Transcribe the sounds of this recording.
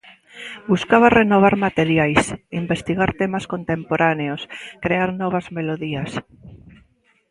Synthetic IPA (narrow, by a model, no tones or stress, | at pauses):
buskaβarenoβ̞aɾmat̪eɾjajsimbest̪iɣaɾt̪emaskont̪empoɾaneoskɾeaɾnɔβ̞azmeloðias